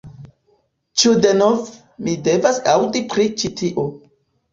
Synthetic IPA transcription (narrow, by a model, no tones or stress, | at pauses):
t͡ʃudenov | mide̞vasawdipɾit͡ʃitʰiʔo